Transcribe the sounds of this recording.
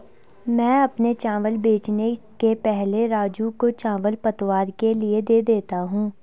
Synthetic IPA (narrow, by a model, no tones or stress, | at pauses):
mɛ̃ːɐpnet͡ʃãːʋəlbeːt͡ʃne | kepɛɦleɾaːd͡ʒukot͡ʃãːʋəlpɐt̪waːɾkelied̪eːd̪eːt̪aɦũː